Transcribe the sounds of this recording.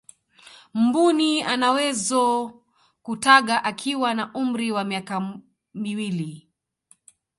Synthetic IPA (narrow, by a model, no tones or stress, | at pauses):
m̩bunianawɛzɔ | kutaɠaʔakʰiwanaʔum̩ɾiwamiaka | miwili